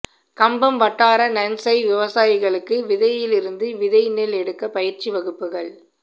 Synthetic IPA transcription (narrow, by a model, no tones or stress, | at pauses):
kɐmbɐmʋɐʈːaːɾɐnɐnsɐɪʋɪʋɐsaːjɪɣɐɭɯkːɯʋɪðɐjɪlɪɾɯnd̪ɯʋɪðɐjɪnːɪlɛɽɯkːɐpɐjɪɾt͡ʃiʋɐɣɯpːɯɣɐɭ